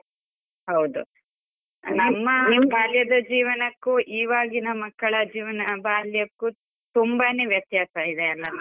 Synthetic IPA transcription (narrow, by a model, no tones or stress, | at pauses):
ɦɐwd̪u | nɐmːɐbʱaːljɐd̪ɐd͡ʒiːʋɐnɐkːuʔiːʋaːɡinɐmɐkːɐɭɐd͡ʒiːʋɐnɐbʱaːljɐkːu | t̪umbaneːʋjɐt̪jaːsɐid̪eɐlːɐ